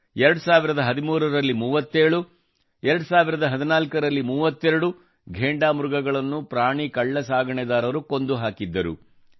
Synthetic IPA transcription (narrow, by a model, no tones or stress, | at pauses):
ɛɾɐɽusaːʋiɾɐd̪ɐɦɐd̪imuːɾɐɾɐlːimuːʋɐt̪ːeːɭu | ɛɾɐɽusaːʋiɾɐd̪ɐɦɐd̪inaːlkɐɾɐlːimuːʋɐt̪ːɛɾɐɽu | ɡʱeːɳɖaːmuɾuɡɐɡɐɭɐnːupɾaːɳikɐɭːɐsaːɡɐɳɛd̪aːɾɐʋɾuko̞nd̪uɦaːkid̪ːɐɾṵ